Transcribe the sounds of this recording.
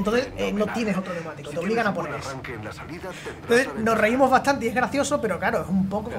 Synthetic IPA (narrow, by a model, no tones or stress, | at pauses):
nt̪o̞nθeseno̞t̪je̞neɦot̪ɾonemat̪ikot̪omiɣanaponeɾes | nt̪oθesno̞reimo̞zβaht̪ant̪eie̞ɦɣɾaθjo̞so̞pe̞ɾo̞kaɾoesumpo̞ko